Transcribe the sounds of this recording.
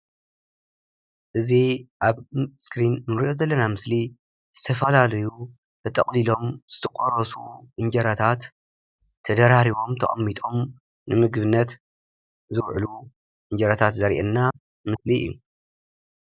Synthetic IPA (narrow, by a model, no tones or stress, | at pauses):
ʔɨziʔaβskɾinnɨɾiʔozɐlːɐnamɨsli | z̥ɨt̪ʰɐfɐlalɐju | t̪ʰɐt̪ʼɐχʼlilo̞mz̥ɨt̪ʰɐqʼoɾɐsṵʔɨɲd͡ʒɐɾat̪ʰat̪ʰː | ɐd̪ɐɾaɾiβo̞mt̪ʰɐχʼɐ̰mːit̪ʼo̞m | nɨmɨɡbɨnːɐt̪ | zɨwʕlu | ʔɨɲd͡ʒɐɾat̪ʰat̪zɐɾḭʔɛnːa | mɨsliɨ̰jːṵ